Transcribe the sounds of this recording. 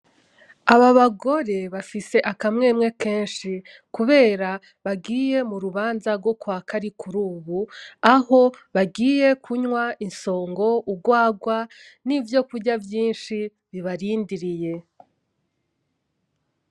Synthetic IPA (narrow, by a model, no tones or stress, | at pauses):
aβaβaɡo̞ɾe̞βafise̞ʔakamŋe̞ːmŋe̞ke̞ːnʃi | kuβe̞ːɾa | βaɡiːje̞muɾuβaːnzaɾɡo̞kwaːkaɾikʰuɾuːβuaho̞βaɡiːje̞kʰuɲwaʔinso̞ːŋɡo̞uɡwaːɡwanivjo̞kuɟavjiːnʃi | βiβaɾiːndiɾije̞